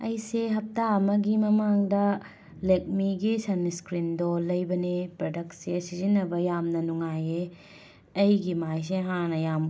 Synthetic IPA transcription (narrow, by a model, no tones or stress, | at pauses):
ɐjseɦɐp̚tamɐɡimɐmaŋdɐ | lek̚miɡisɐniskɾindolɐjbɐnepɾɐdɐksesizinːɐbɐjamnɐnuŋaje | ɐjɡimajs̬eɦanɐjam